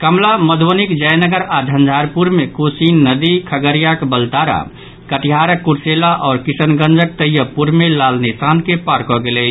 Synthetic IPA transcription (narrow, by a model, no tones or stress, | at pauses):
kəmlaməd̪ʱʋonikd͡ʒəjnəɡəɾad̪ʱənd͡ʒʱaɾpuɾmekosinːəd̪ikʰəɡəɾijakbəlt̪aɾa̰ | kəʈiɦaɾəkːuɾselaʔɔːɾkisənɡə̃nd͡ʒək̚t̪əjəpuɾmelalnesankepaɾkɔɡelɛt͡ʃʰ